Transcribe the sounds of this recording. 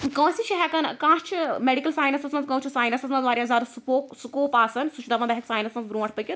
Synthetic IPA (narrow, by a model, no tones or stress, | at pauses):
kɐ̃ːsit͡ʃʰiɦɛkɐnkãːʃt͡ʃʰimeɖikɐlsaːjnɐsɐsmɐt̪kɐ̃wt͡ʃʰisaːjnɐsɐsmɐt̪ʋaːɾʲiɐzaːɾsupoːksukoːpaːsɐnsut͡ʃʰd̪ɐʋɐ̃nd̪ɐɦiksaːjnɐsmɐt̪bɾũːɐʈʰt̪ɨkʲi